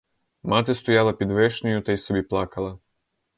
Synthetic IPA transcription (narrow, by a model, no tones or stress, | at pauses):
mat̪ɪst̪ɔjalˠɐpʲid̪ʋɛʃnʲɔjʊt̪ɐjsɔbʲiplˠɑkɐlˠɐ